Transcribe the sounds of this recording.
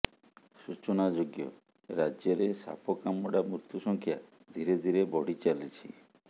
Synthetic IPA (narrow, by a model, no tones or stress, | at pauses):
sut͡ʃɔnad͡ʒoɡjɔ̰ | ɾad͡ʒjɔɾesa̰pɔkamɔɽamut̪usɔŋkʰja | d̪ʱiɾed̪ʱiɾebɔɽ̤it͡ʃalit͡ʃʰḭ